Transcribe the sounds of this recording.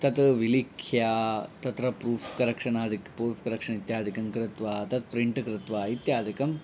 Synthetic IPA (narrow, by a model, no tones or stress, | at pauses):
t̪ɐt̪ʋilikʰjaːt̪ɐt̪ɾɐpɾuːfkɐɾɐkʂɐɳaːd̪ʱikpɾuːfkɐɾɐkʂɐɳit̪jaːd̪ʱikɐmkɾɪt̪ʋaːt̪ɐt̪̚pɾiɳʈkɾɪt̪ʋaːit̪jaːd̪ʱikɐm